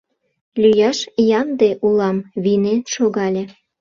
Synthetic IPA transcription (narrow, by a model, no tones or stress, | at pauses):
lyjɑʃjɑnd̪eʔulɑmβinenʃoɣɑlʲe